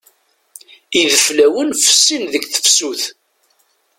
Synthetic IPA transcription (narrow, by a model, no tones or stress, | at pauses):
iðəflæwənfə̥sːinðəɡθə̥fsuθ